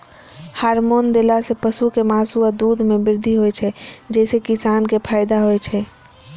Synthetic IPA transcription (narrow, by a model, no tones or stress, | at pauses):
haɾmond̪elasepəsukemaːsuad̪ud̪ʱmebɪɾd̪ʱiɦojt͡ʃʰɛd͡ʒɛsekisankepʰaɪd̪aɦojt͡ʃʰɛ